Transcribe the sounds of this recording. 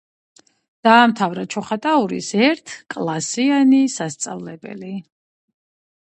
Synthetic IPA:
d̪̥aːmt̪ʰavɾat͡ʃʰɔχat̪ʼauɾḭsɛɾt̪ʰkʼlˠasianisast̪sʼavlɛbɛ̰li

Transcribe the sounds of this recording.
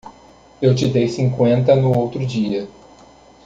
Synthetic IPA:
ewt͡ʃɪd̪ejsĩŋkwẽnt̪ɐnʊowt̪ɾʊd͡ʒiɐ

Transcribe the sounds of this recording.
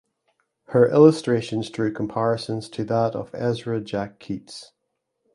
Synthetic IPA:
hə˞ʔɪlˠəstɹ̥eʃə̃nz̥dɹʉːkʰə̃mpʰaɹɪsə̃nz̥tʰəðəʔə̰vɛzɹəd͡ʒakʰːits

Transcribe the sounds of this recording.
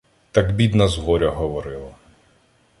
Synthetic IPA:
t̪ɐɡbʲid̪nɐzɦɔɾʲɐɦɔʋɔɾɪlˠɐ

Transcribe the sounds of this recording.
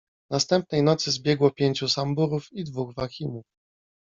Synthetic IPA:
nast̪ɛmp̚nɛjnɔt̪sɘzbʲjɛɡwɔpʲjeɲt͡ɕusambuɾufid̪vuɣvaxʲimuf

